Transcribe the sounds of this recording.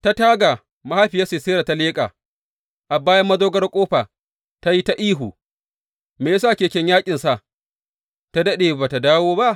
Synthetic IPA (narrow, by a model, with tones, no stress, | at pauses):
ta˦taː˦ɡa˨ | ma˦ha˦ɸi˨ja˦se˨seː˦ɾa˨ta˦leː˦kʼa̰ː˨ | ʔa˨baː˦jɐ˦mːɐ˦zoː˦ɡɐ˦rkʷʼoː˦ɸa˨ | ta˦ji˦ta˦ʔiː˦ɦu˨ | meː˨˦saː˦˨kʲeː˨kʲɛ˦ɲjaː˦kʲʼɪ˨nsa˨ʔ | ta˦dɐ˦ɗeː˨baː˨ta˨daː˦woː˦ba˦ʔ